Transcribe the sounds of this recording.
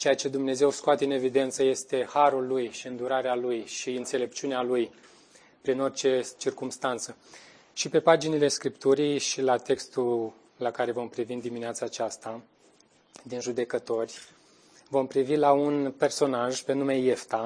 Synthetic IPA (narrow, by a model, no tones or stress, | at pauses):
t͡ʃejat͡ʃe̞d̪umne̞ze̞wskoat̪e̞ɨne̞vid̪e̞nt̪səje̞st̪e̞haɾulːujʃiɨnd̪uɾaɾealujʃiɨnt̪se̞le̞pt͡ʃiunealuj | pɾino̞rt͡ʃe̞t͡ʃirkumst̪ant̪sə | ʃipe̞pad͡ʒinile̞skɾipt̪uɾijʃilat̪e̞kst̪ul | lakaɾe̞vo̞mpɾivind̪imineat̪saːt͡ʃast̪a | d̪inʒud̪e̞kət̪o̞rʲ | vo̞mpɾivilaunpe̞rso̞naʒpe̞nume̞je̞ft̪a